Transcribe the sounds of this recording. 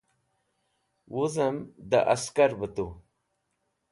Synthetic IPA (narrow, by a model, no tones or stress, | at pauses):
wuzəmd̪ə̰ʔaskaɾbət̪u